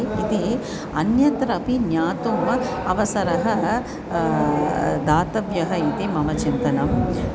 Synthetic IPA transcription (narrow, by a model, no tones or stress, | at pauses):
it̪i | ɐnjɐt̪ɾɐpinjaːt̪umɐʋɐsɐɾɐɦɐ | d̪aːt̪ɐʋjɐɦɐit̪imɐmɐt͡ʃint̪ɐnɐm